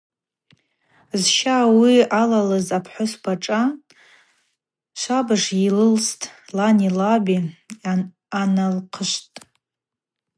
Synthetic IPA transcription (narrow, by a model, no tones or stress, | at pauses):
zʃawialalɨzapʰħʷʊsbʰaʈ͡ʂʼa | ʃʷabɨʂilɨlstʼlanilabi | analqʰəʃʷtʼ